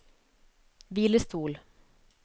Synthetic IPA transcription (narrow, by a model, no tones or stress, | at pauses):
viːlɪst̪ʰuːl